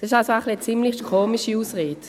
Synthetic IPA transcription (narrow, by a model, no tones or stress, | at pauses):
d̥ɑsɪʃalsoaχliət͡simlixkʰoːmiʃiuːsʁeːt